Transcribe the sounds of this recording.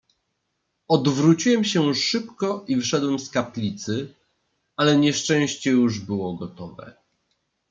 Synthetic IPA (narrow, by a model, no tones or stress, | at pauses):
ɔd̪vɾut͡ɕiwɛmɕɛʂɘpkɔʔivfʂɛd̪wɛmskaplʲit̪sɘ | alɛɲɛʂt͡ʂɛ̃w̃ɕt͡ɕɛjuʐbɘwɔɡɔt̪ɔvɛ̰